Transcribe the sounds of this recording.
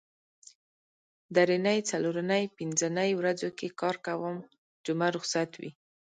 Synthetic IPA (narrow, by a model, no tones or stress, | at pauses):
d̪aɾinəjt͡saloɾanəjpɪnzənəjwɾad͡zokekɑɾkawəm | d͡ʒʊmaɾʊxsat̪wḭ